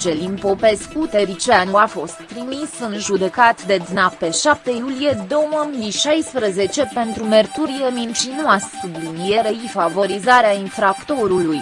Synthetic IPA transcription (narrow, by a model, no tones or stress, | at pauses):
t͡ʃe̞limpopeskut̪eɾit͡ʃanuafo̞st̪ːɾimisɨnʒud̪e̞kat̪d̪e̞d̪nape̞ʃap̚t̪ejulije̞d̪owəmiʃajspɾəze̞t͡ʃe̞pe̞nt̪ɾumert̪uɾiemint͡ʃinuassublinijeɾeifavo̞ɾizaɾeainfɾakt̪o̞ɾuluj